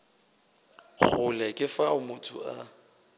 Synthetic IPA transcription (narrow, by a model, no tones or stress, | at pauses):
k͡xʰʊlɛkʼɪfaʊmʊtʰʊ̰ʔa̰